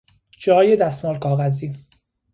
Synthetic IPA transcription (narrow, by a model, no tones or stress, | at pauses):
d͡ʒɒːjed̪æsmɒːlkʰɒːɣæziː